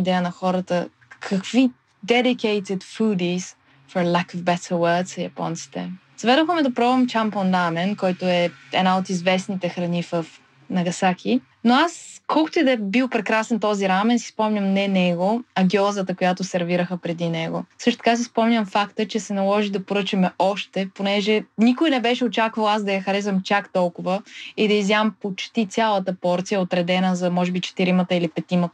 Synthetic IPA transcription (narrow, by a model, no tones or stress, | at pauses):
id̪ɛjənɐxɔɾət̪ə | kʰɐkvi | d̪ɛd̪ikɛɪt̪ɛt̪fud̪is | fɔɾlˠakɔvbɛt̪ʰəwət̪sjɐ̰pɔ̰nt̪si̥t̪ɛ̰ | zvɛd̪oxəmɛd̪ɐpɾɔɐmt͡ʃamponɾamɛnkɔjt̪oɛɛnaot̪izvɛsnit̪ɛxɾɐnifəf | nɐɡɐsakʲʰi | noaskʰɔlˠkʊ̥t̪oɛd̪ɛbilˠpɾɛkɾasɛnt̪ɔziɾamɛnsi̥spɔmɲʲəmnɛnɛɡoɐɡʲiɔzət̪əkojat̪ʊsɛɾviɾəxəpɾɛd̪inɛɡosɤʃt̪o̥t̪əkas̬ispɔmnʲəmfakt̪ət͡ʃɛsɛnɐlˠɔʒid̪ɐpoɾɤt͡ʃɐmɛɔʃt̪ɛponɛʒɛnikojnɛbɛʃɛot͡ʃakvəlˠazd̪ɐjɐxɐɾɛzɐmt͡ʃakt̪ɔlˠkʊvəid̪ɐizjampot͡ʃt̪it̪sʲjalˠət̪əpɔɾt̪sijəot̪ɾɛd̪ɛnəzɐmɔʒɛbit͡ʃɛ̥t̪iɾimət̪əilipɛt̪imət̪